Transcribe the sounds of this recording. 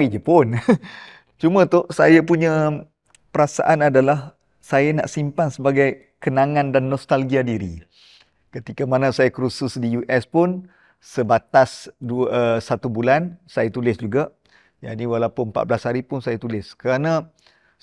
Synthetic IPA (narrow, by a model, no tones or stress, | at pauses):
id͡ʒəpʊn | t͡ʃumə̃t̪ʊʔsajapuɲə̃ | pəɾasa̰ʔanadalah | sajana̰ʔsimpansəbaɡaj | kənaŋãndanːɔst̪alɡiadiɾḭ | kət̪ikamanãsajakɾusʊsdijuʔɛspʊn | səbat̪asduəsat̪ubulansajat̪ulɪsd͡ʒuɡa | ja̰ʔniwalawpʊnmpa̰t̪̚blashaɾipʊnsajat̪ulɪskəɾanã